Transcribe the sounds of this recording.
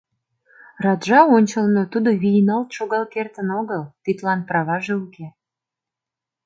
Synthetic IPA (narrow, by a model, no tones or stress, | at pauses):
rɑt̪ʒɑonʲt͡ɕəlnot̪ud̪o̽βijnɑlt̪ʃoɣɑlkert̪ənoɣəlt̪it̪lɑnpɾɑβɑʒeuke